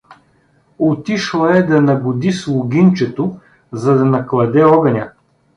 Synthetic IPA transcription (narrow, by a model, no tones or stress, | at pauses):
ot̪iʃlˠɐɛd̪ɐnɐbʊd̪islˠʊɡʲint͡ʃɛt̪o | zɐd̪ɐnɐklˠɐd̪ɛɔɡɐnʲɐ